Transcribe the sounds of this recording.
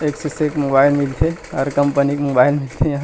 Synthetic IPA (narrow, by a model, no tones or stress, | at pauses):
eːksesekmobaːɪlmilt̪ʰeɔːɾkəmpənikmobaːɪlmɪlt̪ʰejãɦ